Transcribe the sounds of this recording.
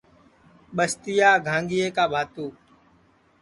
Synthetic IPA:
ɓəst̪ɪjaːɡʱãːŋɡiːeːkaːbʱaːt̪uː

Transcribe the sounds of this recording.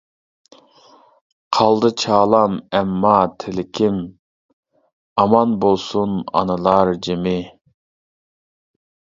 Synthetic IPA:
qʰɑlˠd̪ɨt͡ʃʰɑːlˠɑmɛmːɑt̪ʰɪlɪkʲʰɪm | ɑmɑnbolˠsunɑ̰nɨlˠɑɾd͡ʒemɪ

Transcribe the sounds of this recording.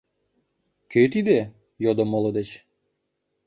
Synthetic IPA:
køt̪id̪e | jod̪omolod̪et͡ɕ

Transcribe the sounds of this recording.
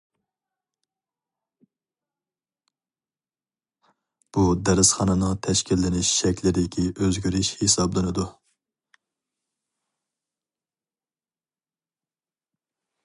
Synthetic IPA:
b̥ud̪ɛɾɪsχɑnɨnɨŋt̪ʰɛʃkʲilːɪnɪʃʃɛkʲʰlɪɾɪd̪ɪkʲʰiʔøzɡʲyɾɪʃhesɑblˠɨnɨd̪u

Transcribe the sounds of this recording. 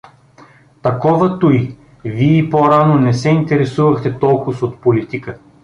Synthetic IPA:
t̪ɐkɔvət̪uj | viɛipoɾanonɛsɛint̪ɛɾɛsuvɐxt̪ɛt̪ɔlˠkʊsot̪̚polit̪ikə

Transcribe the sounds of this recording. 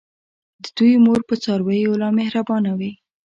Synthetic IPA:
d̪əd̪ujmoɾpət͡sɑɾwəjolɑmehɾabɑnawi

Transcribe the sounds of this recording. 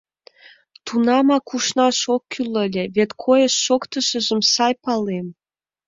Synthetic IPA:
t̪unɑmɑkuʃnɑʃokːylə̆lʲeβet̪kʰojəʃːokt̪əʃə̆ʒə̆msɑjpɑlem

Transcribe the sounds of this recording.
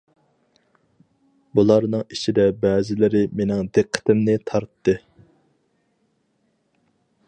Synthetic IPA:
bulˠɑɾnɨŋit͡ʃid̪ɛbɛːzɪlɪɾɪmenɪŋd̪eqʰːə̥t̪ɪmnɪt̪ʰɑɾt̪ːɨ

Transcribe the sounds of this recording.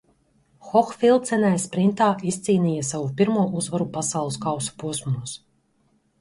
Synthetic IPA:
xɔxfilˠt̪sɛnajspɾint̪aːist̪siːniːjasavupʲiɾmuɔʔuzvaɾupasawlˠɨskawsu̥puɔsmuus

